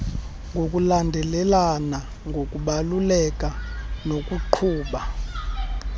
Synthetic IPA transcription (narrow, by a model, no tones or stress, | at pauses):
ŋɡʱok̬ʼulandʱɛlɛlana | ŋɡʱok̬ʼuɓalulɛk̬ʼanok̬ʼuǃʰuːɓa